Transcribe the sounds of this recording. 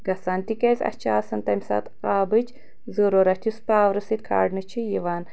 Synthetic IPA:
ɡɐsaːnt̪ikɐzɐ̰t͡ʃʰaːsɐnt̪ɐmsa̰t̪aːbɨt͡ʃ | zoɾoɾɐt̪ʰʲuspaːwɾɐsit̪̚kʰa̰ːɖnɨt͡ʃʰijiʋaːn

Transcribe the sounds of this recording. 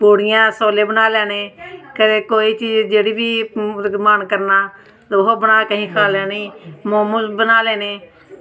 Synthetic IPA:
poːɽɪjãːsoːleːbənaːlɛːneːkəɾeːkoːiːt͡ʃiːd͡ʒd͡ʒeːɽiːʋiːmaːnkəɾnaː | t̪oɦobənaːkəɦĩːkʰaːlɛːniːmoːmuːsbənaːlɛːneː

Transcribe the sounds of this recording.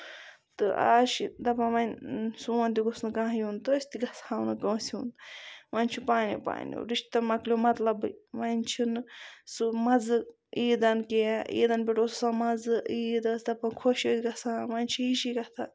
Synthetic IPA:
t̪ɨa̰ːʃid̪ɐpãʋɐnsuont̪ʲiɡosnɨkãːjunt̪ɨːsʲt̪iɡɐsaːwnɨkɐːsiunʋɐnʲt͡ʃʰupaːnjḭpa̰ːnjo̰ɾiʃt̪ɐmɐklʲomɐt̪lɐbɨʋɐnt͡ʃʰinsɨmɐzɨ | iːd̪ɐnkeaḭːd̪ɐnbʲiʈossamɐd͡zɨiːd̪ɐsd̪ɐpãkʰoʃot̪ʲɡɐsãːʋɐnʲt͡ʃʰiiʃiɡɐt̪ʰa

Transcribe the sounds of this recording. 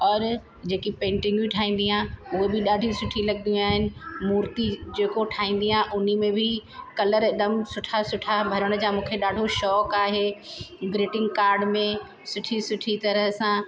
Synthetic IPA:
ɔːɾ | d͡ʑeːkipẽːɳʈɪ̃ŋɡiʈʰaːĩːn̆d̪iãːɦʊɦebɪɗaːɖʱĩsʊʈʰilɐɠd̪iũaːɦɪnɪ̆muːɾt̪id͡ʑeːkoʈʰaːĩːn̆d̪iãʔʊnimẽbʱɪkɐləɾɪd̪əmsʊʈʰasʊʈʰabʱɐɾəɽ̃ə̆d͡ʑaːmũːkʰeɗaːɖʱoʃɔːkaːɦebɾɪːʈɪ̃ŋɡkaːɾɖmẽ | sʊʈʰisʊʈʰit̪ɐɾəɦsã

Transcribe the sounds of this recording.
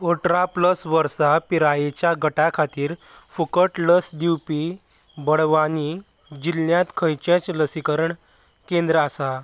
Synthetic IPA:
oʈɾapləsʋəɾsapiɾajet͡ɕjaɡʱəʈakʰat̪iːɾ | fukəʈləsd̪iwpi | bəɽʋani | d͡ʑilːjãt̪kʰəjt͡ɕẽt͡sləsikəɾəɳ | kend̪ɾəasa

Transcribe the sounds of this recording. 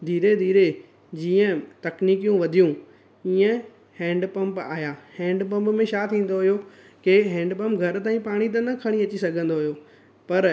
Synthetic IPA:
d̪ʱiːɾed̪ʱiːɾe | d͡ʑiːə̃t̪ɐkniːkijũʋɐd̪ʱijũ | iːə̃ | hɛ̃ːɳɖpɐ̃mpa̰ːɦjaːhɛ̃ːɳɖpɐ̃mpmẽʃaːt̪ʰĩːn̆d̪oɦijo | keɦɛ̃ːɳɖpɐ̃mpɡʱɐɾt̪aːĩpaːɽ̃it̪̬ɐnɐkʰɐɽ̃iɐt͡ɕisɐɡʱə̃nd̪oɦijoː | pɐɾ

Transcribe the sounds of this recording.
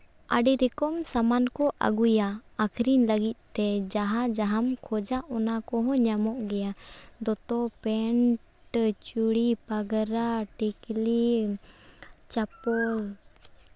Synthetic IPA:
a̰ɖiɾɛkɔmsamankɔʔa̰ɡujaːkʰɾiɲləɡit̪̚ˀt̪ɛd͡ʒaɦad͡ʒaɦamkʰɔd͡ʒaʔɔnakɔɦɔ̃ɲamɔʔɡɛjad̪ɔt̪ɔpɛɳ | ʈt͡ʃuɽipaɡɾaʈikli | t͡ʃapɔl

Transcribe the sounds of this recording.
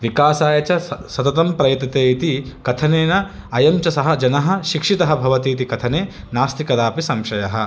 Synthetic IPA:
ʋikaːsaːjɐt͡ʃɐsɐt̪ɐt̪̬ɐmpɾɐjɐt̪ːɐt̪eːit̪ikɐt̪ʰɐneːnɐ | ɐjɐmt͡ʃɐsɐɦɐd͡ʒɐnɐɦɐ̆ʃikʂit̪ɐɦɐbʱɐʋɐt̪iːt̪̬ikɐt̪ʰɐneː | naːst̪ikɐd̪aːpisɐmʃɐjɐɦɐ

